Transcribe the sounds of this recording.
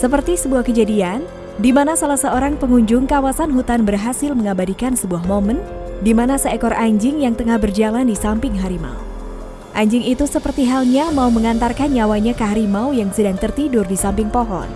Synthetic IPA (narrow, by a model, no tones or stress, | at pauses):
səpərt̪isəbuahkəd͡ʒadian | dimanasalahsəoɾaŋpəŋuɲd͡ʒʊŋkawasanɦut̪anbərɦasɪlməŋabadikansəbuahmoməndimanasəɛkɔɾaɲd͡ʒɪŋjaŋt̪əŋahbərd͡ʒalandisampɪŋɦaɾima̰ṵ | ʔaɲd͡ʒɪŋit̪usəpərt̪iɦalɲamauməŋant̪arkanɲawaɲakaɦaɾimawjaŋsədaŋt̪ərt̪idʊrdisampɪŋpoɦɔ̰n